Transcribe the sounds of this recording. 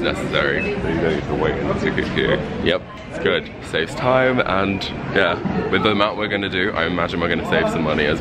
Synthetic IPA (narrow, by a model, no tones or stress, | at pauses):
snɛ̰sɨsɛɹḭbəjɨdõnitʰəweɪʔɪ̃nðəsʰʉkɨ̰kʰjʉ̰jɛp̚ | ɪtsɡ̥ʊd̥ | seɪvz̥tʰãɪ̃mə̃njæwɨðəəmãʊ̃nʔwɪɹɡʌnɨdɨʔa̰ɪɨmad͡ʒɪ̃nwɨɹɡʌnəseɪv̥sʌ̃mːʌniəz